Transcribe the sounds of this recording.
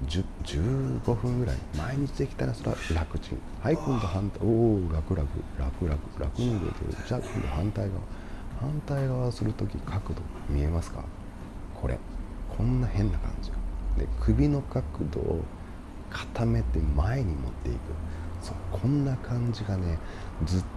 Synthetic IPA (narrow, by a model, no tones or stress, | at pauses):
d͡ʑd͡ʑɨːɡo̞ɸɯ̟̃ŋɡɯ̟ɾa̰ḭmaiɲ̟it͡ɕid̪e̞kʲi̥t̪aɾasoɾa̰ɾakɯ̟̥t͡ɕḭ̃ | haikõnd̪ohãnt̪aoːɾakɯ̟ɾakɯ̟ɾakɯ̟ɾakɯ̟̥ɾa̰kɯ̟ɲiɡḛt̪ḛɯ̟̰d͡ʑakõnd̪ohãnt̪aiɡaβa̰hãnt̪aiɡaβasɨɾɯ̟t̪o̞kʲikʰakɯ̟d̪o̞̰mʲie̞masɨ̥ka̰ | kʰo̞ɾʔe̞̰ | kʰõ̞nːahẽ̞nːakã̰ɲ̟d͡ʑiɡad̪e̞̰kʰɯ̟bʲino̞kakɯ̟d̪o̰ | kʰḁt̪ame̞t̪emae̞ɲ̟imo̞t̪ːe̞̰ḭkɯ̟so̞kʰõ̞nːakʰãɲ̟d͡ʑiɡane̞zɨ